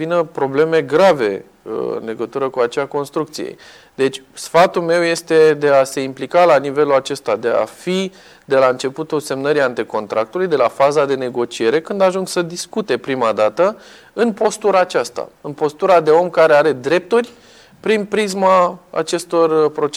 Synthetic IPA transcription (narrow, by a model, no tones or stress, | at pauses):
vinəpɾo̞ble̞me̞ɡɾave̞̰ | ɨ̰nle̞ɡət̪uɾəkuat͡ʃeako̞nst̪ɾuk̚t̪sijḛ | d̪e̞t͡ʃʲsfat̪ulme̞wje̞st̪e̞d̪e̞ase̞implikalanive̞lulat͡ʃe̞st̪ad̪e̞a̰fi | d̪e̞laɨnt͡ʃe̞put̪ulse̞mnəɾiant̪iko̞nt̪ɾʔak̚t̪ulujd̪e̞lafazad̪e̞ne̞ɡo̞t͡ʃie̞ɾe̞kɨnd̪aʒuŋɡsəd̪iskut̪e̞pɾimad̪at̪ə | ɨnpo̞st̪uɾaːt͡ʃast̪a̰ɨnpo̞st̪uɾad̪e̞o̞mkaɾe̞aɾe̞d̪ɾe̞p̚t̪urʲ | pɾinpɾizmaa̰t͡ʃe̞st̪o̞rpɾo̞t͡ʃ